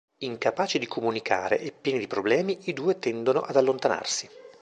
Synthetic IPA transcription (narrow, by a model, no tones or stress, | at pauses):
iŋkapaːt͡ʃid̪ikʰomunikʰa̰ːɾḛʔepːjɛːnid̪ipɾoblɛːmiid̪uːet̪ɛnd̪onoʔad̪alːont̪ana̰rsi